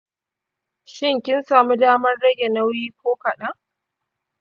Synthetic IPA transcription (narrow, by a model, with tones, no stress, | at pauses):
ʃɪ˦ŋkʲɪ˦nsaː˨mu˦daː˦mɐ˦rɽɐ˦ɡʲe˨nɐ˦wjiː˦kʷoː˦kɐ˨ɗa˦